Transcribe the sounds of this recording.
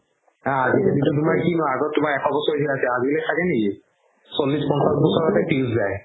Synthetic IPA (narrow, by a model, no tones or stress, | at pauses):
ãazibintutumaɹkinɔaaɡɔttːʊmaɹɛkʰɔbɔsɔɹtʰiasɛazilɔtʰakɛneki | solːispɔnsasbɔsɔɹɔtɛtilszaj